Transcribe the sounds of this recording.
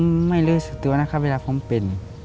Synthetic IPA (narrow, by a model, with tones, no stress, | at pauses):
ma˥˩jlɯː˧˩˨sɯ˧˩t̪ɯ˧˨ɐ˨naː˧˩kʰa˧˥˨wʋe˧laː˧pʰo˧˦mpe˧˨n˨